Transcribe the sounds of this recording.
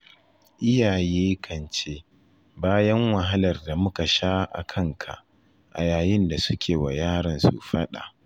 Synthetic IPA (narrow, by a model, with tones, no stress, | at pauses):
ʔɪ˦jaː˨jeː˦kʰɐ˨nt͡ʃeː˦ | baː˦jɐ˦ŋwɐ˨ɦa˦lɐ˨rda˨mʊ˦ka˨ʃaː˦ʔa̰˨kʰɐ˦ŋkʰa̰˨ʔ | ʔa̰˨jaː˨jɪ˦nda˨sʊ˦kʲʰeː˨wa˨jaː˦ɽɐ˨nsṵ˨ɸɐ˦ɗa̰˨ʔ